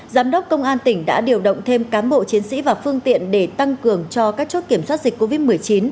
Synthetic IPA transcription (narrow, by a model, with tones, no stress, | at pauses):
zaː˨˦mɗə˦˥k͡p̚kə˧wŋ͡mʔaː˧nt̪ï˧˩ŋ̟ɗa̰ː˧˥ɗi˨˩əwɗə̰˧˨wŋ͡mt̪ʰe˧mkaː˨˦mɓo̰˧˨t͡ɕi˨˦ənsḭ˧˥vaː˨˩fɨ˧əŋt̪ḭ˧˨ənɗe˧˩t̪a˧ŋkɨ˨˩əŋt͡ɕɔ˧kaː˦˥k̚t͡ɕo˦˥t̚ki˧˩əmswa˦˥t̚zi˨˩k̟kːo˧vi˦˥t̚mɨ˨˩əjt͡ɕi˨˦n